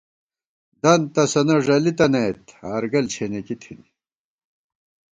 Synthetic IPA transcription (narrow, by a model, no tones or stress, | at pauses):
d̪ɐnt̪ɐsɐnɐʐɐlit̪ɐnɐjt̪aːɾɡɐlt͡ɕʰenekit̪ʰini